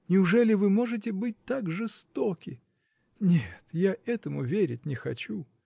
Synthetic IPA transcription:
nʲɪʊʐɛlʲɪvɨmo̞ʐɨt̬ʲɪbɨt̚ʲt̪akʐɨst̪okʲɪ | nʲet̪jaʔɛt̪əmʊvʲeɾʲɪtʲnʲɪxɐt͡ɕu

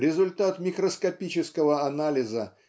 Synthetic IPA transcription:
ɾʲɪzʊlʲt̪at̪mʲɪkɾəskɐpʲit͡ɕɪskəvəɐnalʲɪzə

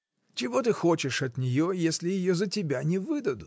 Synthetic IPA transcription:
t͡ʃɪɦɔt̪ɪxɔt͡ʃɪʃɐd̪ʲnʲijɔjɛsʲlʲɪjɪjɔzɐtʲɪbʲanʲiʋɪd̪ɐd̪ʊ

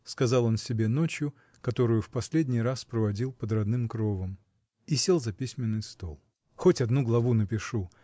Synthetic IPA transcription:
skɐzɑlˠo̞nsʲɪbʲeno̞t͡ɕjʊ | kɐt̪o̞ɾʊjʊfpɐsʲlʲedʲnʲɪjraspɾəvɐdʲilˠpəd̪rɐd̪nɨmkɾo̞vəm | isʲelˠzɐpʲisʲmʲɪnːɨjst̪o̞̰lˠ | xotʲɐd̪nuɡlˠɐvunəpʲɪʂu

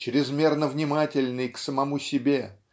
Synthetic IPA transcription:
t͡ɕɾʲɪzmʲe̞rnəvnʲɪmatʲɪlʲnɨjksəmɐmusʲɪbʲe̞

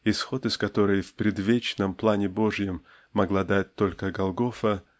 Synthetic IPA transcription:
ɪsxo̞t̪ɨskɐt̪o̞ɾɨjfpɾʲɪd̪vʲet͡ɕnəmplˠanʲɪbo̞ʐjəmː | ɐɡlˠad̪at̚ʲt̪o̞lʲkəɡɐlˠɡo̞fə

